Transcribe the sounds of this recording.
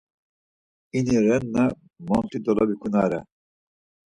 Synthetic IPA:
iniɾɛnːa | mɔnt̪ʰʼid̪ɔlabikʰunaɾɛ

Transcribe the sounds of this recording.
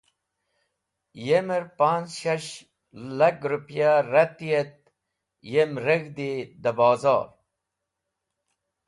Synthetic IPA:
jeməɾpaːnt͡sɕɐɕ | lɐkɾupjaɾɐt̪ijet̪̚ | jemɾəɣd̪id̪əbɑːzɑ̰ːɾ

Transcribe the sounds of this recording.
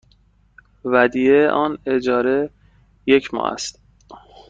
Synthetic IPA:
væd̪ijeʔɒːne̞d͡ʒɒːɾe̞ | jecʰmɒ̰ːʔæ̰st̪

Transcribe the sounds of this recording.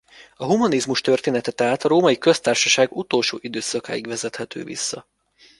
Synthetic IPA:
ɒɦumɒnizmuʃt̪ørt̪eːnɛt̪ɛt̪ɛɦat̪ɒɾoːmɒikø̞st̪aːrʃɒʃaːɡut̪o̞ːlʃo̰ːʔid̪øːsɒka̰ːjiɡvɛzɛt̪hɛt̪ʰø̰ːvḭsːɒ

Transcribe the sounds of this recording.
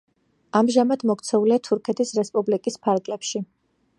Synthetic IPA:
amʒamad̪mɔkt̪sʰɛuliat̪ʰuɾkʰɛt̪ʰisɾɛspʼublikʼispʰaɾɡlɛpʃi

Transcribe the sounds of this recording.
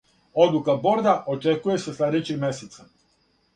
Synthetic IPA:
od̪lˠukaboɾd̪aʔot͡ʃekujeseslad̪et͡ʃixmeset̪sa

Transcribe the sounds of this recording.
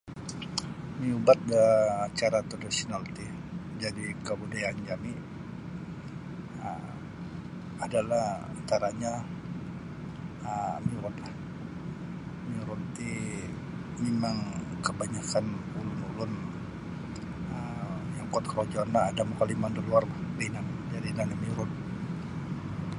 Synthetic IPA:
miubat̪̚ɡaːt͡ʃaɾat̪adasonalt̪i | d͡ʒadikəbudajaːɲd͡ʒami | ə | adalahat̪aɾaɲa | əmiuɾɔt̪la | miuɾut̪i | memaŋkəbaɲakanulʊnulʊn | ə | jaŋkɔt̪kɾod͡ʒanaːdamukalimandaluarbabainamid͡ʒadinaɲamiuɾʊt̪̚

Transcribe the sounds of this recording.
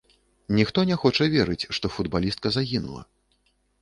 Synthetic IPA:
nʲixt̪ɔnʲɛxɔt͡ʂɐvʲɛɾɨt͡sʲʂt̪ɔfud̪balʲist̪̚kɐzaɣʲinṵlˠɐ̰

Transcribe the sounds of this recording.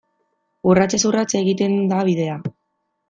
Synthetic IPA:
urat͡sesurat͡seɣit̪e̞nd̪aβ̞iðe̞a

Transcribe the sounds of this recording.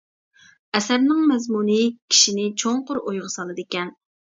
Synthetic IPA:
ɛsɛbnɨŋmɛzmunɨkʲʰi̥ʃinɪt͡ʃʰoŋqʊɾojʁɑsɑlˠɨd̪ɪkʲɛn

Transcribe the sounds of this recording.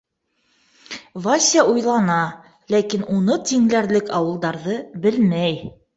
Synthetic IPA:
vasʲɑʔujlˠɑnɑ | lækinunɤt̪iŋlæɾlɘkɑwɤ̆lˠd̪ɑɾðɤbɘlmæj

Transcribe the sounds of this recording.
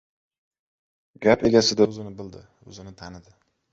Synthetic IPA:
ɡʲape̞ɡʲasɪd̪azɪnɪbɪld̪ɪ | ɵ̰zɪnɪt̪ʰanɪd̪ɪ

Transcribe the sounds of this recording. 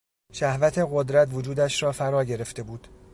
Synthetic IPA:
ʃæhvæt̪ʰe̞ɣod̪ɾæt̪vod͡ʒuːd̪æʃɾɒːfæɾɒːɟe̞ɾe̞ft̪e̞buːd̪̥

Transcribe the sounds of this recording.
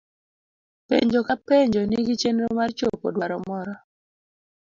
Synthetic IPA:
pḛɲd͡ʒokapeɲd͡ʒoniɡit͡ʃenɾomart͡ʃopo̰dwaɾɔmɔɾɔ

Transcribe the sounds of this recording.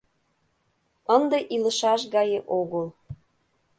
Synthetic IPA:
ənd̪ĕʔilə̆ʃɑʃɣɑjeʔoɣəl

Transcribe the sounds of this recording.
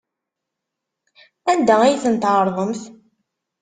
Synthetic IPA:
ænd̪ææjθənt̪ʕɾˤðˤəmθ

